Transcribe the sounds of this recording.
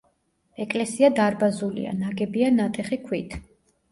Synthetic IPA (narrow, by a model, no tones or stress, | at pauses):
ɛkʼlɛsiad̪aɾbazulḭa̰naɡɛbianat̪ʰɛχikʰwit̪ʰ